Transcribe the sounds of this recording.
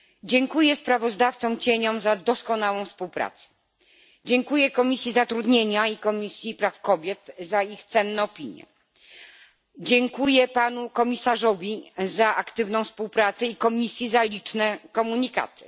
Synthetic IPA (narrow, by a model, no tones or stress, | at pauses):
d͡ʑɛŋkujɛspɾavɔzd̪aft̪sɔ̃m̃t͡ɕeɲɔmzad̪ɔskɔnawɔ̃w̃fspuwpɾa̰t̪sɛ̥ | d͡ʑɛŋkujɛkɔmʲisʲjizat̪ɾud̪ɲeɲaikɔmʲisʲjipɾafkɔbʲjɛt̪zaixt̪sɛnːɛɔpʲiɲjɛ̰ | d͡ʑɛŋkujɛpanukɔmʲisaʐɔvʲizaʔakt̪ɘvnɔ̃w̃fspuwpɾat̪sɛikɔmʲisʲjizalʲit͡ʂnɛkɔmuɲika̰t̪ɘ̥